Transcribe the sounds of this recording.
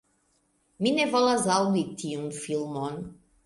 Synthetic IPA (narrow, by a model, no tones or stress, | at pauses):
minevalˠazawit̪ʰiunfilˠmɔn